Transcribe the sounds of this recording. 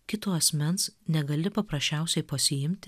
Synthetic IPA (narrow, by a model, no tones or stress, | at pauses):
kʲɪt̪oːɐsʲmʲɛnsnʲɛɡɐlʲɪpɐpɾɐsʃʲt͡ʃʲɛˑʊsʲɛɪpɐsʲɪjɪmʲt̪ʲ